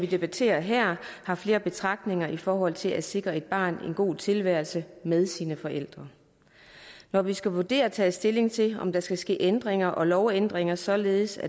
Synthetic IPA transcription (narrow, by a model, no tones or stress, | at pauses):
ʋid̥e̝b̥æt͡sʰe̝̰ːɐɦæɐ̰hɑ̈fle̝ːɐb̥e̝t͡sʰʁɑ̈ɡ̥d̥ne̝ŋɐʔifɒːɦɒ̽l̰t͡sʰe̝læ̥se̝ɡ̥ʁɐe̝d̥̚b̥ɑ̰̈ːne̝nɡ̥o̝̰ːt͡sʰe̝lʋæɐlsəmeð̞ˠsiːnəfɒ̽ʔel̰d̥ʁɐ | nɒʋisɡ̥æʋuɐd̥e̝̰ːɐt͡sʰɛ̰ːsd̥e̝le̝ŋt͡sʰe̝ɒ̽md̥ɑ̈sɡ̥æsɡ̥e̝̰ːʔend̥ʁeŋɐʔɒ̽lɒʊend̥ʁeŋɐsɒ̽le̝ːð̩ˠsæ